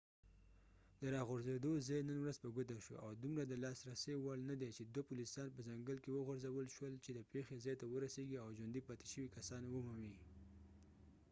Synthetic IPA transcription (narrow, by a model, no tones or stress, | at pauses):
d̪əɾɑɣʊɾzed̪ozɑjnənwɾazpəɡʊt̪aʃo̰awd̪umɾad̪əlɑsɾasewɑlnad̪et͡ʃed̪wapulisɑnpəzaŋɡəlkewəɣʊɾzawəlʃwəlt͡ʃed̪əpexezɑjt̪awəɾaseɡiawʒwand̪ipɑt̪e̥ʃəwikasɑnwəmumi